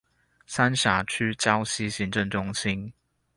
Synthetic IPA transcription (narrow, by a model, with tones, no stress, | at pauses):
sa˥nɕja˨˩t͡ɕʰy˥t͡ɕjɑ˥˦ʊɕi˥ɕi˨˥ŋʈ͡ʂə˥˨ŋʈ͡ʂʊ˥ŋɕi˦˥n